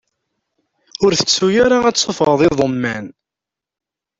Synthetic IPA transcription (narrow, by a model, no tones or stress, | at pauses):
ʊɾθə̥t͡sːujaɾaæt͡sˤːofʁəðˤɪðˤomːæn